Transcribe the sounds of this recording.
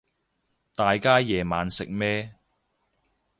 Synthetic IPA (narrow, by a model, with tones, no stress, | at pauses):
t̪aː˨jkaː˥jɛː˨maː˨nsɪ˨k̚mɛː˥